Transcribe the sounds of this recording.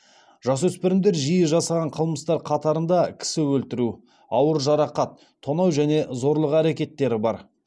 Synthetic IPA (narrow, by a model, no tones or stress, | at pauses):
ʒ̥ɑs̬wɵspɪɾɪmd̪e̞ɾʒijɪʒɑsɑʁɑɴqʰəlˠməst̪ɑɾqʰɑt̪ɑɾənd̪ɑkʲʰɪ̥sɪwɵlt̪ɪɾu | ɑwəɾʒɑɾɑqɑt̪ʰːo̞nɑwʒæne̞zo̞ɾlˠəqæɾekʲe̞t̪ːe̞ɾɪbɑɾ